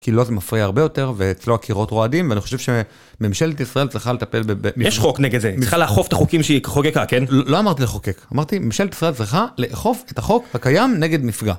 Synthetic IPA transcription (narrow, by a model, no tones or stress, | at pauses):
kilozemafʁiaːʁbe̞jo̞te̞ʁveːt͡slo̞akʰiʁo̞tʁo̞adimveaniχo̞ʃe̞vʃe | memʃeletisʁaʔelt͡sʁiχalet̪ape̞lbebemijeʃχokneɡed̪zeiχaleaχofet̪aχokimʃeiχokekakenlolo̞amaʁt̪ileχokekamaʁt̪imemʃeletisʁaelt͡sʁiχaleʔeχo̞fetaχo̞khakajamne̞ɡe̞d̪mifɡa